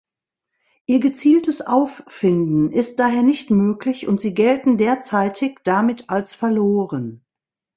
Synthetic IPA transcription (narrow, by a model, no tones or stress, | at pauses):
ʔiːɐɡət͡siːltəsʔaʊfːɪndn̩ʔɪst̚d̥aːɦeːɐnɪçtmøːklɪçʊntz̥iːɡɛltn̩deːɐt͡saɪtʰɪçd̥amɪtʰalsfɛɐloːʁən